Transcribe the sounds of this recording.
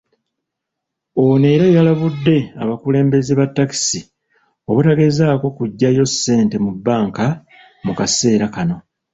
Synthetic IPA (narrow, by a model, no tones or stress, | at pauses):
o̞neɾajalaβudːe̞a̰βakule̞ːmbe̞ziβatːaki̥si | o̞βutaɡe̞zaːko̞kuɟːajo̞sːe̞ːnte̞mubːaːŋka | mukase̞ːɾakano̞